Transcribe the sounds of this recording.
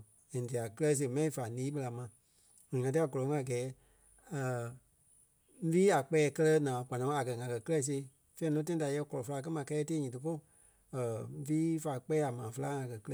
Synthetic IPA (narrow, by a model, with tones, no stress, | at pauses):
ɛ̃˨di˨a˨kɨ˦lɛ˧˦˧s̬e˧˨mɛ̃˧˦ĩ˧˨fa˨lĩː˨˦ɓə˧la˧mã˧˨ | ŋ̃˨ŋã˧ti˦a˧˨ɡɔ˨lɔ̃˨˦ŋ˦a˨ɡɛː˨˦ | ə˨˦ | viː˦a˨k͡pɛː˨˦˧kɜ˧lɜ˧nãː˨ɡ̥ʷa˨nɔ̃˨˦a˨kɜ˨ŋã˨kɜ˨kɨ˦lɛ˧˨˧s̬e˧˦ | fɛ̃˦nɔ̃˧˦tã˦ĩ˦da˨jɛ˧kɔ˨lɔ̃˨fə˧la˧k̬ɜ˦mã˧kɛ˦ɛ˧˦teː˦ɲĩ˨t̬ɨ˧fo˦˨ | ə˨˦viː˦fa˨˧k͡pɛː˦a˨mãː˨˦fə˧la˦ŋã˧kɜ˨kɨ˦ɛ˧˨